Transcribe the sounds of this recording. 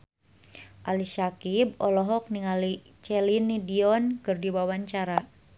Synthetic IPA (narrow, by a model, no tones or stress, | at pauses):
ʔalisakib̚ɔlɔɦɔk̚niŋali | t͡ʃɛlinidiɔnkɨrdiwawaɲt͡ʃaɾa